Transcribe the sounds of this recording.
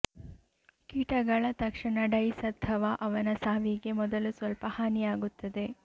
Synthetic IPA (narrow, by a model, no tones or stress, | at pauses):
kiːʈɐɡɐɭɐt̪ɐkʂɐɳɐɖɐjsɐd̪ʱɐʋaʔɐʋɐnɐsaːʋiɡe̞mɔd̪ɐlusʋɐlpɐhaːnijaːɡut̪ːɐd̪e̞